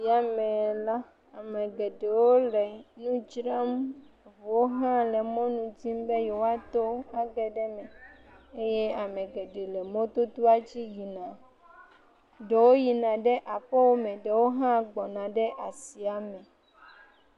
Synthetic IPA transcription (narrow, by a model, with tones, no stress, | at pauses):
i˨a˨mɛ̃˨la˦ | a˨mɛ̃˨ɡɛ˨ɖe˨wo˦lɛ˨nũ˦d͡ʒɾa˦m˨vo˨wo˦ɦã˦lɛ˨mɔ̃˦nũ˨d͡ʑi˦m˦bɛ˦jo˨wa˦t̪o˦a˦ɡɛ˨ɖɛ˦mɛ̃˨ | e˦je˦a˨mɛ̃˨ɡɛ˨ɖe˨lɛ˨mɔ̃˦t̪o˦t̪o˦a˦d͡ʑi˦ji˨nã˨ | ɖe˨wo˦ji˨nã˨ɖɛ˦ʔa˨ɸɛ˦wo˦mɛ̃˨ɖɛ˨wo˦ɦã˦ɡ͡bɔ˨nã˨ɖɛ˦ʔa˨si˨a˨mɛ̃˨